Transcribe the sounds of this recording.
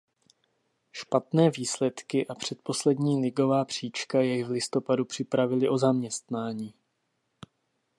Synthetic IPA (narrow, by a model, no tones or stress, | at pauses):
ʃpat̪nɛːviːslɛt̪kɪʔapr̝̥ɛt̪̚po̞slɛd̪ɲiːlɪɡo̞vaːpr̝̥iːt͡ʃkajɛjvlɪst̪o̞padupr̥ɪpɾavɪlɪʔo̞zamɲɛst̪naːɲiː